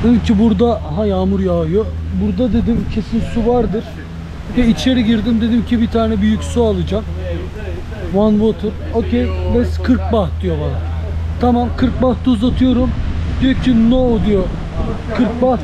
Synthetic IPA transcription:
d̪ed̪imcʰibuɾd̪aɦajaːmuɾjaːɯjobuɾd̪ad̪e̞d̪imcʰe̞sinsuvaɾd̪ɯɾ̥ | hɛit͡ʃʰeɾɛɟiɾd̪imd̪e̞d̪imcʰibit̪ʰaːnɛbyjycsualˠɯd͡ʒam | vanvot̪ʰuocʰejbɛskʰɯɾk̚baht̚d̪ijo̞balˠat̪ʰamamkʰɯɾk̚baht̪ʰuuzat̪ʰɯjo̞ɾumd̪ijocʰinod̪ijo | kʰɯɾk̚baht̪

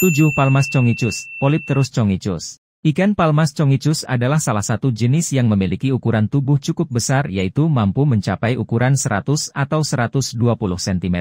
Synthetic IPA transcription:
t̪ud͡ʒʊhpalmast͡ʃɔŋit͡ʃʊspolɪp̚t̪əɾʊst͡ʃɔŋit͡ʃʊ̰s | ʔikanpalmast͡ʃɔŋit͡ʃʊsa̰dalahsalahsat̪ud͡ʒənɪsjaŋməmilikiukuɾant̪ubʊht͡ʃukʊp̚bəsarjait̪umampuməɲt͡ʃapajʔukuɾansəɾa̰t̪ʊsat̪awsəɾat̪ʊsduapulʊhsɛnt̪imɛ

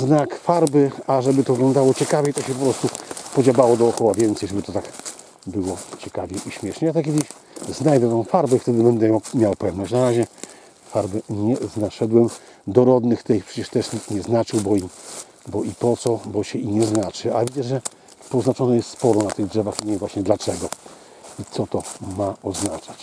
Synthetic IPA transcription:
znakfaɾbɘaʐɛbɘt̪ɔvɨɡlɔ̃nd̪awɔt͡ɕɛkavʲjɛjt̪ɔɕɛpɔpɾɔst̪upɔd͡ʑabawɔd̪ɔːkɔwavʲjɛnt̪sɛjʐɛbɘt̪ɔt̪ak | bɘwɔt͡ɕɛkavʲjɛʔiɕmʲjɛʂɲɛat̪ɛkʲɛd̪ɘ | znajd̪ɛt̪ɛ̃w̃faɾbɛft̪ɛd̪ɘbɛnd̪ɛmʲjawpɛvnɔɕt͡ɕ̬naɾaʑɛ | faɾbɘɲɛznaʂɛd̪wɛmd̪ɔɾɔd̪nɘxt̪ɛjpʂɛt͡ɕɛʂt̪ɛʂɲik̪t̪ɲɛznat͡ʂɘwbɔi | bɔʔipɔt̪sɔbɔɕɛiɲɛznat͡ʂɘalɛvʲid̪at͡ɕʐɛ | pɔznat͡ʂɔnɛjɛst̪spɔɾɔnat̪ɘɣdʐɛvaxiɲʲɛvwaɕɲɛd̪lat͡ʂɛɡɔ | it̪sɔt̪ɔmaɔznat͡ʂat͡ɕ

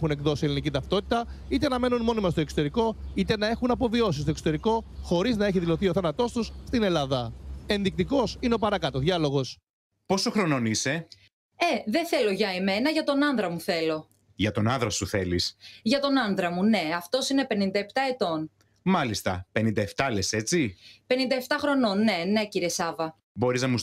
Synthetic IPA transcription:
xune̞kðo̞sielinicit̪ɐft̪o̞t̪i̥t̪ɐ | it̪enɐme̞nunmo̞nimɐst̪oeksot̪e̞ɾiko̞it̪e̞nɐe̞xunɐpo̞vio̞s̬ist̪okso̥t̪e̞ɾiko̞xo̞ɾiznɐe̞çiðilo̞θioθɐnɐt̪o̞st̪usst̪ine̞lɐðɐe̞nðik̚t̪iko̞sineo̞pɐɾɐkɐt̪oðʝɐlo̞ɣo̞s | po̞soxɾo̞no̞nise̞ | e̞ðeθe̞loʝɐeme̞nɐʝɐt̪o̞nɐnðɾɐmuθe̞lo̞ | ʝɐt̪o̞nɐnðɾɐsuθe̞lḭsʝɐt̪o̞nɐnðɾɐmune̞ɐft̪o̞sinepe̞nind̪ɐept̪ɐe̞t̪o̞n | mɐlist̪ɐ̰pe̞nind̪ɐe̞ft̪ɐle̞se̞t͡sipe̞nind̪ɐeft̪ɐxɾo̞no̞nːe̞ne̞ciɾiesɐvɐ | bo̞ɾiznɐmu

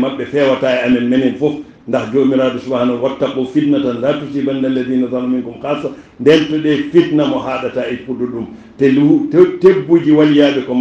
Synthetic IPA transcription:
maɓːɛfɛwataɛamɛnmenɛnfɔf | ndahd͡ʒomiɾaːdɔsubahanɔnwatːakːɔfitnatanlatutibandalːadiːnazanumiŋkumkasa | ndɛntɔɗɛfitnamɔɦaːɗataipudɔɗum | tɛtebːud͡ʒiwalijaːɓɛkɔm

